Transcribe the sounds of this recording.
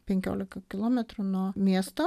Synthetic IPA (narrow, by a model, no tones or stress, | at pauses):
pʲɛŋʲkʲo̰ːlʲɪkɐkʲɪlˠoːmʲɛt̪ɾunuɔmʲiɛst̪oː